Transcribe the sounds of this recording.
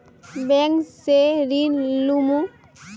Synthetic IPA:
beŋkseɾinlumu

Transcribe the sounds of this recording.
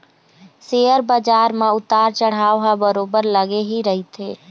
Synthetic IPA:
seːjəɾbəd͡ʒaːɾmãʊt̪aːɾt͡ʃəɽ̤aːoɦabəɾoːbəɾləɡeɦiɾəɦit̪eː

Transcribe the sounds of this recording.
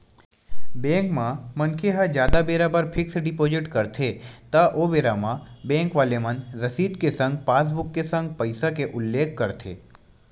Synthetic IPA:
bɛ̃ːŋkmãmɐnkʰeɦad͡ʒjaːd̪abeːɾabəɾpʰɪksɖɪpoːd͡ʒɪʈkɐɾt̪ʰet̪aʔoːbeːɾamãbɛ̃ːŋkʋaːlemɐnɾɐsiːd̪kesɐ̃ŋɡpaːs̬bʊkːesə̃ŋɡ̚pɐɪsakeʔʊlːeːk̚ʰkɐɾt̪ʰḛː

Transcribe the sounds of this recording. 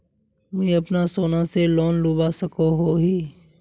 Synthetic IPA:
mɛ̃ɐpnasoːnaseloːnluːbasəkoɦoɦiː

